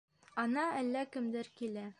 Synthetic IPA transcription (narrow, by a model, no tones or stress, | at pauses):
ɒnɑælːækɘ̆md̪ɘɾkilæ